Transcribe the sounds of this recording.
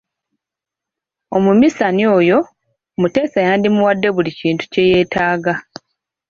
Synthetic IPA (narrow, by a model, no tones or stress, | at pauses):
o̞mumisanio̞ːjo̞ | mute̞ːsajaːndimuwadːe̞βuliciːntu̥ce̞je̞ːtaːɡa